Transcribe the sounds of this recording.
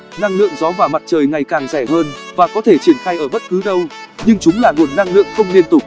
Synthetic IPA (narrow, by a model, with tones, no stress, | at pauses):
na˧ŋlɨ̰˧˨əŋzɔ˨˦vaː˨˩ma˨˩t̚t͡ɕəː˨˩jŋa˨˩jkaː˨˩ŋzɛ˧˩ɦəː˧nvaː˨˩kɔ˨˦t̪ʰe˧˩t͡ɕi˧˩ənxaː˧jʔəː˧˩ɓə˦˥t̚kɨ˨˦ɗə˧wɲɨ˧ŋt͡ɕʊ˨˦ŋ͡mlaː˨˩ŋo˨˩nːa˧ŋlɨ̰˧˨əŋxə˧wŋ͡mli˧ənt̪ʊ˨˩k͡p̚